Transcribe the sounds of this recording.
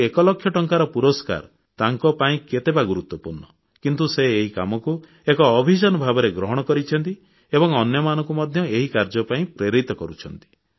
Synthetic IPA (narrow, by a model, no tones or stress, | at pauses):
ekɔlɔkʰːjɔʈɔŋkaɾɔpuɾɔska̰ɾ | t̪aŋkɔpaĩket̪ebaɡuɾut̪ːwɔpuɾɳɔ | kint̪useːɦika̰mɔku | ekɔːbʱid͡ʒanɔbʱabɔɾeɡɾɔɦɔɽ̃ɔkɔɾit͡ʃʰɔnt̪i | ebɔŋɔnjɔmanɔŋkumɔd̪ʱjɔeɦikaɾd͡ʒɔpaĩpɾeɾit̪ɔkɔɾut͡ʃʰɔnt̪i̥